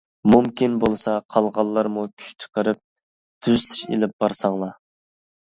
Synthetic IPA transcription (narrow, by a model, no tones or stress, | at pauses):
mumkʲinbolˠsɑqʰɑlˠʁɑlˠːɑɾmukʲʰy̥ʃt͡ʃʰə̥qəɾɨp̚ | t̪ʰyzt̪ʰi̥ʃḛlɪp̚b̥ɑɾsɑŋlˠɑ